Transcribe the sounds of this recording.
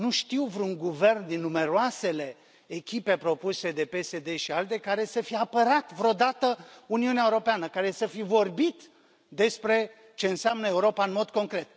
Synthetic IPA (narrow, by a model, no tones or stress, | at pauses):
nuʃt̪iwvɾuŋɡuve̞rnd̪inːume̞ɾoase̞le̞ː | kʲipe̞pɾo̞puse̞d̪e̞pe̞sed̪e̞ʃialt̪e̞kaɾe̞səfijeapəɾat̪vɾo̞d̪at̪əuniuneaeuɾo̞peanəkaɾe̞səfivo̞rbit̪ | d̪e̞spɾe̞ | t͡ʃe̞ɨnseamnəe̞uɾo̞paɨnmo̞d̪ko̞ŋkɾe̞t̪̚